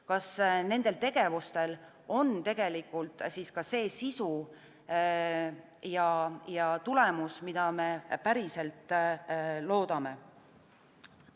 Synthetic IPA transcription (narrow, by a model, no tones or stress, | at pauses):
kɑsne̞nd̪̥e̞lt̪e̞ɡ̥e̞vust̪e̞l | o̞nt̪e̞ɡ̥e̞likːˑult̪siːskɑse̞ːsisu | jɑjɑt̪ule̞musmid̪ɑme̞pæɾise̞lt̪ˑː | lo̞ːd̪̥ɑme̞